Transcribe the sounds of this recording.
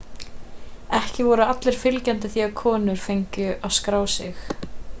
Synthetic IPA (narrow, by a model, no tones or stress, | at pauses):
ɛhcɪvɔɾʏat̪lɛɾ̥fɪlcɛnt̪ɪθiaðkʰɔːnʏɾ̥fejɲcʏʔawskɾaːwsɪx